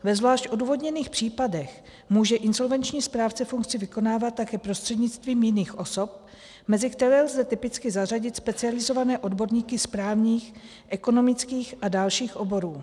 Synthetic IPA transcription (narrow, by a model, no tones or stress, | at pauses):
vɛzvlaːʃcʔo̞duːvo̞dɲɛniːxpr̝̥iːpadɛx | muːʒɛʔɪnzo̞lvɛnt͡ʃɲiːspɾaːft͡sɛfuŋk̚t͡sɪvɪko̞naːvat̪̚ːakɛːpɾo̞st̪r̥ɛdɲɪt͡st̪viːmjɪniːxʔo̞so̞p̚ | mɛzɪkt̪ɛɾɛːlzɛt̪ɪpɪt͡skɪzar̝aɟɪt̪spɛt͡sɪalɪzo̞vanɛːʔo̞dbo̞ɾɲiːkɪspɾaːvɲiːx | ʔɛko̞no̞mɪt͡skiːxʔadalʃiːxʔo̞bo̞ɾuː